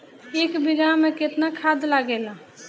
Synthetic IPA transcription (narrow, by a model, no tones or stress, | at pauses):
eːkbɪɡamẽkɪt̪nakʰad̪laɡeːla